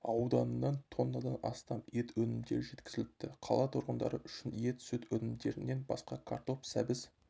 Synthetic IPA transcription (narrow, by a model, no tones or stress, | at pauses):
ɑwd̪ɑnənːɑnt̪ʰo̞nːɑd̪ɑnɑst̪ɑme̞t̪wɵnɪmd̪e̞ɾʒe̞t̪kʲɪ̥zɪlɪp̚t̪ːɪqʰɑlˠɑt̪ʰʊɾʁənd̪ɑ̰ɾəʔʏʃɪnje̞t̪sʏt̪wɵnɪmd̪e̞ɾɪnːe̞nbɑ̰sqɑkʰa̰ɾt̪o̞psæbɪz